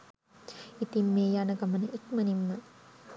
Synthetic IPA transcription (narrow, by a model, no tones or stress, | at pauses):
it̪imːeːjanəɡɐmənəʔikmɐnimːə